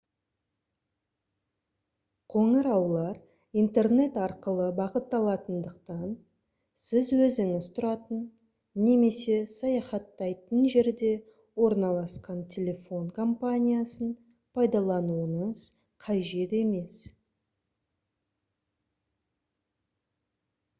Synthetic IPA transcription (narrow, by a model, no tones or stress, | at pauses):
qʰo̞ɴəɾɑwlˠɑɾ | ijnt̪e̞rne̞t̪ɑɾqəlˠəbɑqət̪ːɑlˠɑt̪ənd̪əqt̪ɑn | sɪzwɵzɪŋɪz̥t̪ʰʊɾɑt̪ənː | e̞me̞se̞sɑjɑχɑt̪ːɑjt̪ənʒe̞ɾd̪e̞ | wo̞ɾnɑlˠɑsqɑnt̪ʲʰe̞lʲe̞fo̞ɴkʰompanʲijasən | pʰɑjd̪ɑlˠɑnuəɴəz̥ | qʰɑjʒe̞t̪e̞me̞s